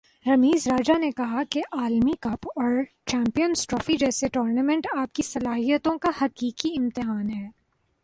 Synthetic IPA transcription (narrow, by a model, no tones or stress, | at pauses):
ɾɐmiːzɾaːd͡ʒanekɐɦakeʔaːlmikɐpɔːɾ | t͡ʃɛ̃ːmpijənsʈɾɔːfid͡ʒɛːseʈoːɾnɐmɛ̃ɳʈaːp̚kisɐlaːɦijət̪õkahɐqiːkiɪmt̪ɪɦaːnɦɛː